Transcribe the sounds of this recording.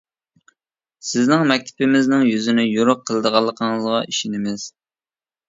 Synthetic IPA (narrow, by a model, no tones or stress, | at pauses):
sɪznɪŋmɛk̚ʲt̪ʰɪ̥pʰɪmɪznɪŋjyzɪnɪjoɾʊqʰːəlˠəd̪əʁɑlˠːəqʰəŋəzʁɑiʃɪnɪmɪz̥